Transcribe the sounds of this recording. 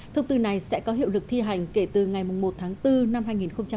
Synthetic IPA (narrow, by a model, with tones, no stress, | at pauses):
t̪ʰə˧wŋ͡mt̪ɨ˧na˨˩jsɛ̰˧˥kɔ˨˦ɦḭ˧˨əwlɨ˨˩k̚t̪ʰi˧ɦa˨˩jŋ̟ke˧˩t̪ɨ˨˩ŋa˨˩jmʊ˨˩ŋ͡mmo˨˩t̪̚ʰaː˨˦ŋt̪ɨ˧na˧mhaː˧jŋi˨˩nxə˧ŋ͡mt͡ɕa˧